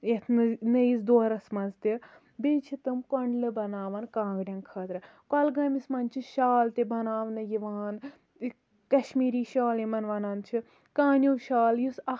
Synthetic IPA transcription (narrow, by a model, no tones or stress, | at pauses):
jɐt̪ʰnɨnɨjizd̪oːɾɐsmɐnzt̪i | beːt͡ʃʰit̪ɨmkɔɳɖlɨbɐnaːʋɐnkãːɡɖʲɐnkʰɐːt̪ɾɨ | kɐlɡɐmismɐnt͡ʃʰiʃaːlt̪ibɐnaːʋnɨjiʋaːn | kɐʃmiːɾiːʃaːlimɐnʋɐnant͡ʃʰi | kaːnʲjuwʃaːljusɐ